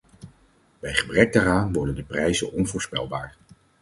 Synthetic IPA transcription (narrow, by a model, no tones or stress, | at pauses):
b̥ɛjχəbrɛk̚daːɾaːnʋɔɹdəndəprɛjzənɔnvʊːɹspɛ̰lˠbaːɹ